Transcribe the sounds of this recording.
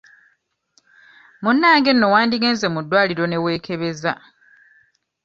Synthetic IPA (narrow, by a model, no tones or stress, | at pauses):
munːaːŋɡe̞nːo̞waːndiɡeːnze̞mudːwaːliɾo̞ne̞we̞ːkʰe̞βe̞za